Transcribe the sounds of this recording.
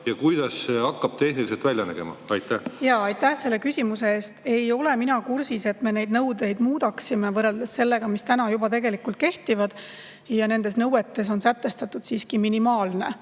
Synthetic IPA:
jɑkujd̪ɑsːeɑkːɑb̥̚t̪e̞hniliselt̪vælʲjɑnæ̰ɡ̥e̞̰mɑ̰ɑjt̪ːˑæhjɑːɑjt̪ːæhse̞lːe̞kysʲimuseeːst̪e̞jo̞le̞minɑkursise̞t̪me̞ne̞jd̪nɤwd̪e̞jd̪̥muːd̪̥ɑksimevɤreld̪̥esːe̞lːe̞ɡ̥ɑmist̪ænɑjubɑt̪e̞ɡe̞likult̪̚ke̞ht̪ivɑd̪̥ | jɑne̞nd̪̥e̞snɤwet̪ːe̞s̬o̞nsæt̪ːˑe̞st̪ɑt̪ːˑud̪̥siːskiminimɑːlne̞

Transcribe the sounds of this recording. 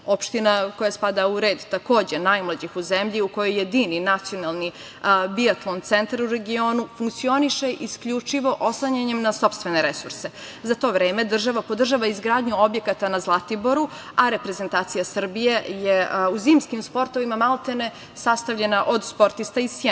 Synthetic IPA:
o̞pʃt̪inako̞jaspad̪auɾe̞ːd̪t̪ako̞ːd͡ʑe̞najmlˠad͡ʑixuze̞mʎiuko̞jo̞jːed̪ininat̪sio̞nalˠni | biat̪lˠont̪se̞nt̪aɾuɾe̞ɡio̞ːnufuŋk̚t̪sio̞niʃe̞ʔiskʎut͡ʂiʋo̞ʔoslˠaɲaɲemnaso̞pst̪vʋe̞ne̞ɾesuɾse̞ | zat̪o̞ʋɾeːmed̪r̩ʒaʋapo̞d̪r̩ʒaʋaizɡɾaːd̪ɲuo̞bje̞kat̪anazlˠat̪ibo̞ɾu | aɾe̞pɾeze̞nt̪aːt̪sijasr̩bije̞jeuziːmskimspo̞ɾt̪o̞ʋimamalˠt̪ene̞ | sast̪aʋʎe̞naʔo̞d̪spo̞ɾt̪ist̪aise

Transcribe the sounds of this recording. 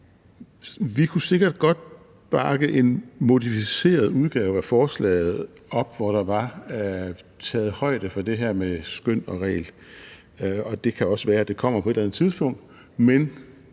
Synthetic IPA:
ʋikʰuse̝ɡ̥ɐd̥̚ɡ̥ɒ̽d̥̚ | b̥ɑ̈ɡ̥əʔe̝nmo̝ðˠifise̝̰ːɐð̞ˠuð̞ˠɡ̥ɛːʊæfɒːslɛ̰ːɪð̞̩ˠ | ɒ̽b̥ʋɒɾ̥ɑ̈ʋɑ̈ | t͡sʰɛːð̞̩ˠhɒ̽ɪ̰d̥əfɒ̽d̥e̝ɦæɐ̰mesɡ̥øn̰ɒ̽ʁɛ̰ːl | ɒ̽d̥e̝kʰæɒ̽səʋæːɐæd̥e̝kʰɒ̽m̰ɐpʰɒ̽e̝ɾlænð̩ˠt͡sʰiðˠsb̥ɔ̽ŋ̰d̥ | men

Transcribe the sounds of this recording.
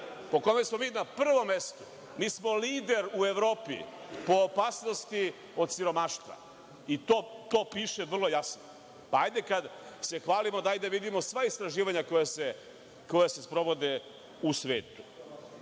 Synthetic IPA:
po̞ko̞mesmo̞miːnapr̩ʋo̞mːest̪u̥ | miːsmo̞liːd̪e̞ɾueʋɾo̞ːpḭ | po̞ːpaːsno̞st̪i | o̞d̪siɾo̞maʃt̪ʋa̰ | it̪oːt̪o̞ːpiːʃe̞ʋr̩lˠo̞jasno̰ | paajd̪ekad̪se̞xʋaːlimo̞d̪aajd̪eʋid̪imo̞sʋaist̪ɾaʒiːʋaɲako̞jase | ko̞jasespɾo̞ʋo̞d̪e | usʋḛːt̪u̥

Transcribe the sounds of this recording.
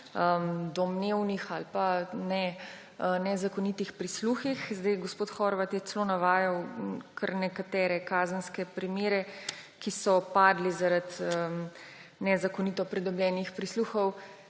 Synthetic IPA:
əmd̪ɔmneːwnixalpanɛ | nɛzakɔnit̪ixpɾisluxixzd̪ajɡospoːt̪xɔɾʋat̪jɛt͡s̪ɛloːnaʋaːjawkʰəɾnɛkat̪ɛːɾɛkaːzənskɛpɾimjeːɾɛkisɔpaːd̪lizaɾat̪əm | nɛzakonit̪ɔpɾɛd̪ɔbljɛːnixpɾisluːxɔw

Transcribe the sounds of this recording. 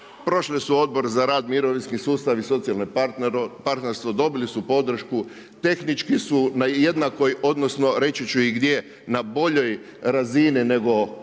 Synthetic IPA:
pɾo̞ʃlisuo̞d̪̚bo̞ɾzaɾaːd̪miɾo̞ʋinskisuːst̪aʋiso̞t̪sialne | paɾt̪neɾst̪ʋod̪o̞bilisupo̞d̪r̩ʃku | t̪e̞xnit͡ʃkisunaje̞d̪nako̞jo̞d̪no̞sno̞ɾe̞t͡ɕit͡ɕuiɡd̪je̞ | nabo̞ʎo̞j | ɾazinine̞ɡo̞

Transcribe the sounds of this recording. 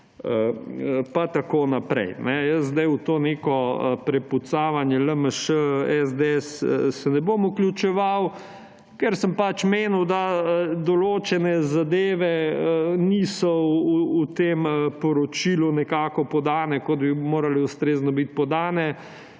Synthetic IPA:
əpat̪akoːnapɾɛ̰jnɛjəzd̪ajut̪oːnekɔpɾɛput̪saːʋanjɛləməʃəɛzd̪ɛssɛnɛbomuklʲjut͡ʃɛʋaw | kɛɾsəmpat͡ʃmeːnuwd̪ad̪ɔloːt͡ʃɛnɛzad̪eːʋɛənisɔː | t̪empɔɾɔt͡ʃilunɛkaːkɔpɔd̪aːnɛkod̪bimoːɾalɛust̪ɾeːznɔbit̪̚pɔd̪aːnɛ

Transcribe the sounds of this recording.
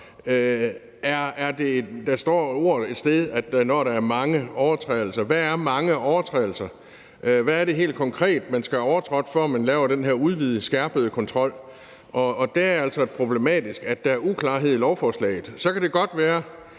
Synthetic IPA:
ʔæɐːɐd̥e̝d̥ɑ̈sd̥ɒ̰ːo̝ːɐ̰ð̩ˠe̝d̥sd̥eð̞ˠæd̥nɒɾɑ̈ːɐmɑ̈ŋəɒʊɐt͡sʰʁɛːɪl̩sɐʋææɐmɑ̈ŋəʔɒʊɐt͡sʰʁɛ̰ɪl̩sɐ | ʔʋæːɐɾ̥e̝ɦe̝̰ːld̥̚kʰɒ̽ŋkʰʁɛ̰ːd̥mænsɡ̥æɒʊɐt͡sʰʁɒd̥fɒɐmænlɛːʊɐɾ̥enɦeɐuð̞ˠʋið̞ˠəsɡ̥æɐb̥əð̞̩ˠəkʰɒ̽nt͡sʰʁɒ̽l̰ | ʔɒ̽ːd̥eæɐæl̰sɒ̽e̥pʰʁo̝b̥le̝mɛ̰ːd̥isɡ̥æd̥d̥ɑ̈æɐukʰlɑ̰̈ːɦe̝ð̞̰ˠilɒʊfɒːslɛ̰ːɪð̩ˠsɒ̽kʰæd̥ɾe̝ɡ̥ɒ̽d̥ʋæːɐ

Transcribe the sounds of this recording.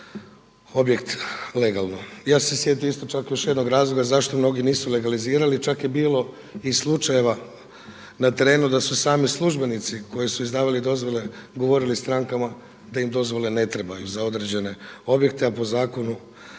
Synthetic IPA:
o̞bje̞kt̪le̞ɡalˠnojaːse̞sje̞t̪imist̪o̞t͡ʃakjo̞ʃjd̪no̞ɡɾaːzlˠo̞ɡazaʃt̪o̞mno̞ɡiniːsule̞ɡaliziːɾalit͡ʃakjebiːlo̞ | islˠut͡ʃaje̞ʋa | nat̪e̞ɾe̞ːnud̪asusaːmislˠuʒbe̞nit̪siko̞jisuizd̪aːʋalid̪o̞zʋo̞le̞ɡo̞ʋo̞ɾilist̪ɾaŋkama | d̪aimd̪o̞zʋo̞le̞ne̞t̪ɾe̞bajuzao̞d̪ɾed͡ʑe̞ne̞o̞bjekt̪eapo̞zaːko̞nu

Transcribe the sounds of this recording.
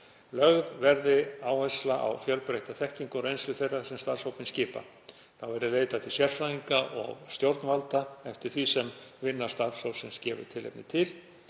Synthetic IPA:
lœɣðvɛɾðɪaːwɛslaʔa̰wfjœlpɾejht̪aθɛhciŋkʊɾejnslʏθejrːasɛmst̪aɾ̥sowpɪnscɪːpa̰ | θawvɛɾɪleːjt̪at̪ʰɪlsjɛr̥faðiŋkaʔɔ̰ɣst̪jowɾt̪nvalt̪aɛft̪ɪɾ̥θvisɛmvɪnːḁst̪aɾsawsɪnscɛːvʏ̰̥t̪ʰɪlḛjpnɪt̪ʰɪl

